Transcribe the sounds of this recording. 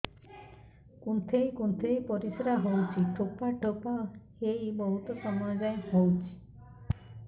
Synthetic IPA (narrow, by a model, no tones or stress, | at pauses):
kunt̪ʰejkunt̪ʰejpɔɾisɾaɦowt͡ʃʰiʈʰopaʈʰopahejbɔɦut̪ɔsɔmɔjɔd͡ʒajhowt͡ʃʰi̥